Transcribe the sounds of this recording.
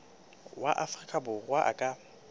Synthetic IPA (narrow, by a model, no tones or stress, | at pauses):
waʔafrikʼabʊɣwaʔa̰kʼa